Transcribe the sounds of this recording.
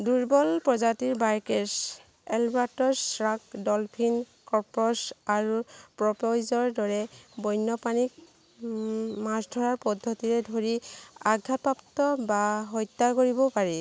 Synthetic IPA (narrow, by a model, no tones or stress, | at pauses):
duɹbɔlpɹɔzatiɹbaɹkɛs | ɛlbaɹtɔsɹakdɔlpʰin | kɔɹpɔsaɹupɹɔpɔjzɔɹdɔɹɛbɔjnːɔpanik̚ | masdʱɔɹaɹpɔdʱːɔtiɹɛdʱoɹiaɡʱːat̚pɹaptɔbaɦɔjt̪ːakoɹibɔpaɹi